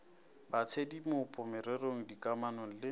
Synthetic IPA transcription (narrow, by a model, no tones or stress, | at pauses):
bat͡sʰedimʊpʼʊmɛɾɛroŋ̩dikʼamanoŋ̩lɪ